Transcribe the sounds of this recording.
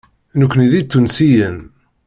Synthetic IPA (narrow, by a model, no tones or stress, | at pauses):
nukʷːniðit̪ːunsijən